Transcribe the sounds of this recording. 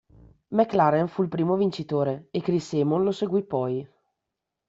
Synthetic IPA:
mɛkːlaɾenfuilpɾiːmovint͡ʃit̪oːɾeekːɾiseːmonloseɡwipɔj

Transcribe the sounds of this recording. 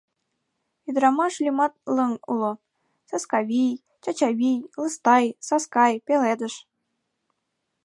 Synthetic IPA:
id̪ɾɑmɑʃlʲimɑt̪̚lɤ̆ŋulˠo | sɑskɑβʲij | t͡ɕɑt͡ɕɑβʲijlˠɤ̆st̪ɑjsɑskɑjpʲeled̪ə̆ʃ

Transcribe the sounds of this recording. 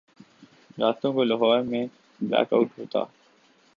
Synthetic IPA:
ɾaːst̪õkoləɦɔːɾmẽ | blæ̰ːka̰ʊʈɦoːt̪a̰ː

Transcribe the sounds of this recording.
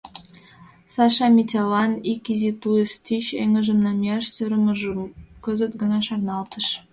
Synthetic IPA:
sɑʃɑmʲit̪ʲɑlɑnikizit̪uest̪iɕeŋə̆ʒə̆mnɑmjɑʃsøɾə̆mə̆ʒəkə̆zə̆t̪ɡə̆nɑʃɑrnɑlt̪ə̆ʃ

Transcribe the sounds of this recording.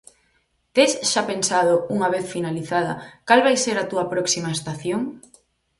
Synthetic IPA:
t̪esʃapensað̞ouŋaβ̞eθfinaliθaðɐkalβajseɾat̪uɐpɾɔksimaest̪aθjoŋ

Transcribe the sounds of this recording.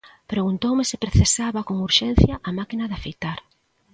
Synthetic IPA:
pɾeɣunt̪owmɪsɪ̥pɾeθesaβɐkoŋuɾʃɛn̟θjɐʔamakinɐðafejt̪aɾ

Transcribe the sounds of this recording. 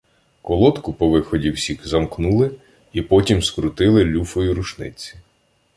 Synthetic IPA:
kɔlˠɔt̪kʊpɔʋɪxɔdʲiwsʲixzɐmknulˠɪ | ipɔtʲimskɾʊt̪ɪlˠɪlʲufɔjuɾʊʃnɪ̰t͡sʲi̥

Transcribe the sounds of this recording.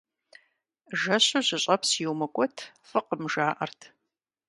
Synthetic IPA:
ʒɐɕʊʑɪɕʼɐpsjɪwmɐkʷʼɔtʰ | fɨqəmʒaːʔɐ̰rtʰ

